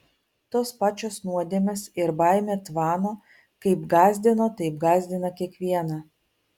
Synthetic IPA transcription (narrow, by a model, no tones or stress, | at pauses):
t̪oːspɑːt͡ʃʲoːsnuɔd̪ʲeɛmʲesɪɾbɑˑɪmʲeːt̪ʋɑːnoː | kɐɪpɡɑːzʲd̪ʲɪnoːt̪ɐɪp̚ɡɑːzʲd̪ʲɪnɐkʲiɛkʋʲiɛnɐ